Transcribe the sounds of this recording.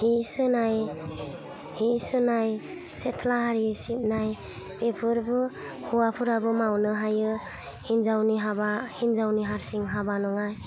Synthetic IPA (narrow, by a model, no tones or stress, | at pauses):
hisɯnaj | hisɯnaj | setʰlaɦaɾisip̚naj | bepʰɯɾbɯ | huwapʰuɾabɯmawnɯɦajɯ | hinzawniɦabahinzawniɦaɾsiŋɦabanɔŋaj